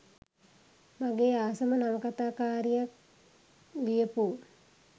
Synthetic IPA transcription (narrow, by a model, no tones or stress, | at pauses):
maɡeːaːsəmənaʋəkat̪aːkaːɾijak̚ | ɡijəpu